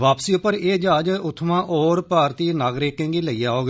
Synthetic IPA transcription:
ʋaːpsiːʊpːəɾeːd͡ʒaːd͡ʒʊt̪ʰːmãːʔɔːɾpaːɾt̪iːnaːɡɾeːkẽːŋɡiːləiːaːoːɡ

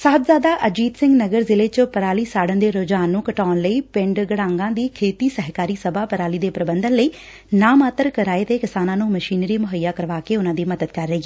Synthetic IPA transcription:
saːbzaːd̪aːʔəd͡ʒiːd̪sɪ̃ŋɡnəɡəɾzɪleːt͡ʃəpəɾaːliːsaːɽənd̪eːɾoːd͡ʒaːnːũːkəʈaːnləiːpɪ̃ɳɖɡəɽãːŋɡãːd̪iːkʰeːt̪iːsəɦkaːɾiːsəbaːpəɾaːliːd̪eːpɾəbənd̪ənləiː | naːmaːt̪əɾkəɾaːeːt̪eːkɪsaːnãːnũːməʃiːnɾiːmʊɦəjːaːkəɾʋaːkeːʊnãːd̪iːməd̪əd̪kəɾːəiː

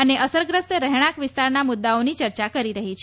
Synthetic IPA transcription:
əneʔəsəɾɡɾəst̪ɾəɦɽ̃ãkʋɪst̪aɾnamʊd̪ːaonit͡ʃəɾt͡ʃakəɾiɾəɦit͡ʃʰe

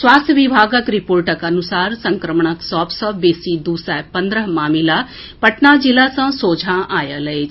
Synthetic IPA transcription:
swaːst̪ʰjəʋibʱaːɡəkɾipoːɾʈəkɐnusaːɾsə̃ŋkɾəmɳ̃əksɔːpsəbesid̪uːsapənd̪ɾəɦmaːmila | pəʈnad͡ʒilasə̃soːd͡ʒʱãʔaːjələet͡ʃ

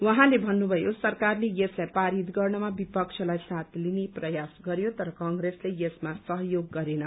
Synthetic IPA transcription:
wʌɦãlebʱʌnːubʱʌjosʌrkarlejeslajpaɾit̪ɡʌrnʌmabipʌkt͡ʃʰʌlajsat̪ʰlineprʌjasɡʌɾjot̪ʌɾʌkʌŋɡreslejesmasʌɦʌjoɡːʌɾenʌ

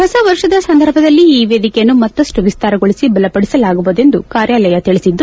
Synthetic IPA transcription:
ɦɐsɐʋɐɾʂɐd̪ɐsɐnd̪ʱɐɾbʱɐd̪ɐlːiːʋeːd̪ikɛjɐnːumɐt̪ːɐsʈuʋist̪aːɾɐɡoɭisibɐlɐpɐɽisɐlaːɡuʋud̪e̞nd̪ukaːɾjaːlɐjɐt̪iɭisid̪ːu

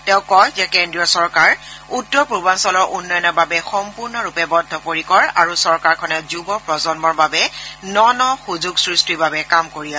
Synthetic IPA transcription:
tɛʊ̃kɔjzɛkɛndɹijɔsɔɹkaɹutːɔɹpubansɔlɔɹʔunːɔjɔnɔɹbabɛxɔmpuɹnɔɹupɛbɔdʱɔpoɹikɔɹa̰ɹusɔɹkaɹkʰɔnɛzubɔpɹɔzɔnmɔɹbabɛnɔnɔxuzuɡsɹistibabɛkamkoɹia

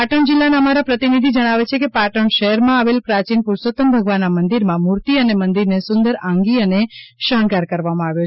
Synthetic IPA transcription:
aʈəɳd͡ʒɪlːanaəmaɾapɾət̪inid̪ʱid͡ʒəɽ̃aʋet͡ʃʰekepaʈəɳʃəɦɛɾmãaʋelpɾat͡ʃinpuɾsot̪əmbʱəɡʋanːamənd̪iɾmãmuɾt̪iənemənd̪iɾnesʊ̃nd̪əɾãŋɡiəneʃəɳɡaɾkəɾʋamãaʋjo

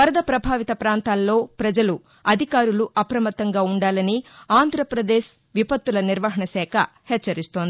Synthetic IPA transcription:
ɐɾɐd̪ɐpɾɐbʱaːʋit̪ɐpɾaːnt̪aːlːo̞ːpɾɐd͡ʒɐlu | ɐd̪ʱikaːɾuluʔɐpɾɐmɐt̪ːɐŋɡaːuɳɖaːlɐniaːnd̪ʱɾɐpɾɐd̪eːʃ | ʋipɐt̪ːulɐniɾʋɐɦɐɳɐsɛːkʰɐ̰ | hɛt͡ʃːɐɾist̪oːnd̪i

